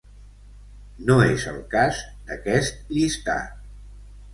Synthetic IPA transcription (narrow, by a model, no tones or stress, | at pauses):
noezə̰lˠkazd̪əkɛst̪̚ʎist̪a̰